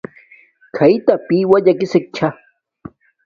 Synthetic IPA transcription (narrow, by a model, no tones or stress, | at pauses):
kʰajt̪apiːwaʎakɪsek̚t͡ʃʰa